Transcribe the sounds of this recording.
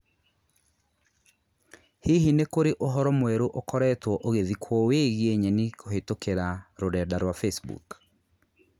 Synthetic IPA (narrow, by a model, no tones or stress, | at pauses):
hiɦinekoɾeʔoɦɔɾɔmwɛɾoʔokɔɾɛtwɔʔoɣeðikʰwɔweɣieɲɛnikoɦetokeɾaɾoɾɛdaɾwafesbṵk